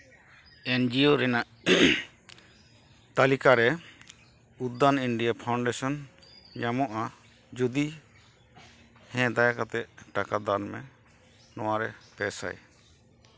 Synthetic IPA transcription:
ɛnd͡ʒioɾɛnaʔ | t̪alikaɾɛ | ut̪d̪ːaniɳɖijapʰawɳɖɛsɔn | ɲamɔʔa | d͡ʒud̪i | hɛ̃d̪ajakat̪ɛʔʈakad̪anmɛ̰ | nɔwaɾɛpɛsa̰j

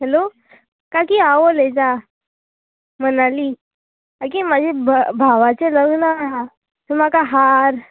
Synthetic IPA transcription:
ɦɛlo | kakiːaʋoled͡za | m̤ənaliː | akimad͡ʑʱebʱəbʱaʋat͡seləɡnəːɦa | t̪əm̤akaɦaɾ

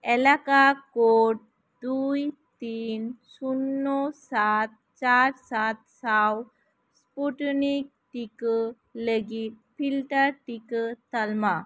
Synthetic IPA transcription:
ɛlakakoʈ̚ | d̪ujt̪insunːosat̪̚ | t͡ʃaɾsat̪̚saw | spuʈnik̚ | ʈikə | ləɡit̪̚pʰilʈəɾʈikət̪əlma

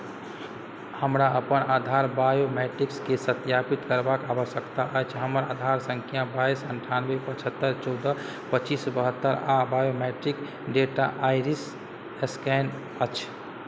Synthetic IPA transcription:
həmɾaəpənad̪ʱaɾbajomɛʈɾikskesət̪japit̪kəɾbakabəsəkt̪aʔət͡ʃʰɦəməɾad̪ʱaɾsəŋkʰjãbaisəɳʈʰanbepət͡ʃʰət̪ːəɾt͡ʃɔʊd̪ə | pət͡ʃisbəɦət̪ːəɾabajomɛʈɾik | ɖeʈa̰ʔajɾis | eskɛn | ət͡ʃʰ

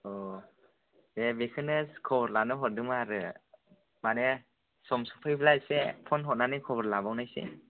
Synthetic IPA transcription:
ɔ | debekʰɯnɯskʰɔbɔɾlanɯɦɔt̚dɯmaaɾɯ | mane | sɔmsɔpʰɯjblasepʰɔnɦɔt̚nanɯkʰɔbɔɾlabawnajsḛ

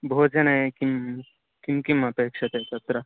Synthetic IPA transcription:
bʱoːd͡ʒɐnekim | kimkimɐpeːkʂɐt̪et͡ʃɐt̪ɾɐ

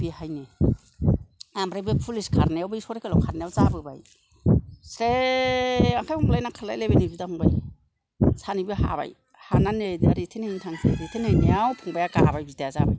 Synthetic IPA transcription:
bihajni | ambɾajbepʰuliskʰaɾnejawbajsɔɾekelɔwkʰaɾnjawzabɯba̰j | sɾe | akʰajɔmblajnakʰala̰jlejbenibidahuŋbaj | sanibiɦa̰ba̰j | hananedaɾitʰenajnitʰaŋsʰɾitʰenajnijawpʰuŋbajaɡabajbitaazabɯ

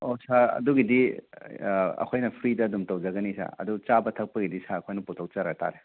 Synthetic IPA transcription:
osaɐ̰duɡidi | ɐ̰kʰojnɐpʰɾidɐːdumtɐwd͡ʒɐɡɐnisa̰ɐ̰dut͡ʃabɐtʰɐk̚pɐɡidisaːkʰojnɐputʰɐw̚t͡ʃɐɾata̰ɾe

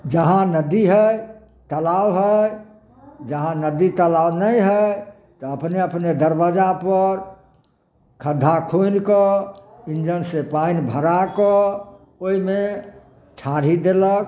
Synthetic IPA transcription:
d͡ʒəɦãnəd̪iɦəj | t̪əlawɦə | d͡ʒəɦãnəd̪it̪əlawnəjɦə | t̪ɔəpneəpned̪əɾbad͡ʒapəɾ | kʰəd̪ʱːakʰonkɔ | ind͡ʒənsepainbʱəɾakɔ | oime | ʈʰaɾ̤id̪elək̚

